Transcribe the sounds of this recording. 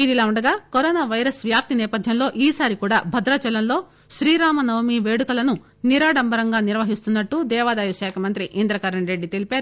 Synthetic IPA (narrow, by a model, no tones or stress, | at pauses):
id̪ilaːuɳɖɐɡaːkoɾɔːnaːʋɐjɐɾɐsʋjaːp̚t̪inɛːpɐd̪ʱjɐmlo̞ːʔiːsaːɾikuːɽaːbʱɐd̪ɾɐt͡ʃɛlɐnlo̞ː | ʃɾiːɾaːmɐnɐwmiːʋe̞ːɽukɐlɐnu | niɾaːɽɐmbɐɾɐŋɡaːniɾʋɐɦist̪unːɐʈːud̪ɛːʋaːd̪aːjuʃɛːkʰɐmɐnt̪ɾiʔind̪ɾɐkɐɾɐɳɾe̞ɖːit̪elipeːɾu